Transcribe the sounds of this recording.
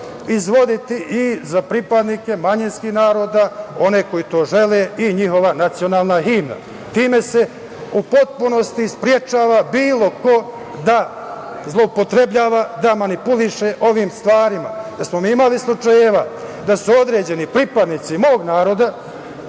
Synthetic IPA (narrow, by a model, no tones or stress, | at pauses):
izʋo̞d̪it̪iʔizapɾipad̪nike̞maɲinskihnaːɾo̞ːd̪ao̞ne̞ko̞jit̪o̞ːʒe̞le̞ːiɲixo̞ʋanat̪sio̞naːlˠnaɦimna̰ | t̪iːme̞se̞ | upo̞t̪̚puno̞st̪ispɾje̞t͡ʃaːʋabiːlˠo̞ko̞ | d̪a | zlˠo̞upo̞t̪ɾe̞bʎaːʋad̪amanipuliʃeʔo̞ʋiːmst̪ʋaːɾima̰d̪asmo̞miːimalislˠut͡ʃajeʋad̪asuo̞d̪ɾe̞ːd͡ʑe̞nipɾipad̪nit̪simo̞ːɡnaːɾo̞d̪a